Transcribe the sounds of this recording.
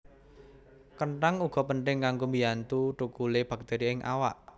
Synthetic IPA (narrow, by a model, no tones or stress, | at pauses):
kəɳʈaŋuɡ̥ɔ̤pəɳʈ̪ɪŋkaŋɡombijant̪uʈukuleb̥a̤k̚t̪eɾiɪŋʔa̰wa̰ʔ